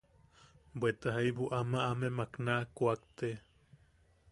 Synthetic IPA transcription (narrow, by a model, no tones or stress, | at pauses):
bʷet̪aɦaibuʔamaʔamemaknakuakt̪e